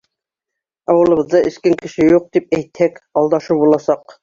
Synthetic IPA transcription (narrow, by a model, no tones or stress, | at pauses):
ɑwɤ̆lˠɤ̆βɤ̆ðːɤʔɘ̆skæŋkɘ̆ʃɘjuq̚t̪ip̚æjt̪hækɑlˠd̪ɑʃubulˠɑsɑq